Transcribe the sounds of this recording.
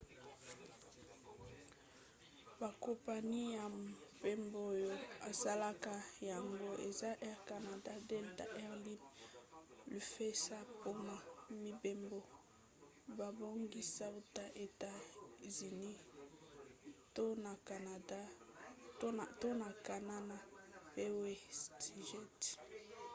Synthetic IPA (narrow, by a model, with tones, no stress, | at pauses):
ba˨kɔ˨pa˨ni˦ja˨pe˦mbo˦jo˦a˨sa˦la˦ka˦ja˨ŋɡo˦e˨za˦ʔɛ˦ʁka˨na˨da˦de˦lta˦ʔɛ˦ʁli˦m | li˨fe˦sa˦po˦na˨mi˦be˦mbo˨ | ba˨bo˦ŋɡi˦sa˦u˦ta˦ʔe˨ta˦zi˨ni˦ | to˦na˨ka˨na˨da˦˨ | to˦na˨ka˨na˦na˨be˦we˦ti˨ʒɛ˦t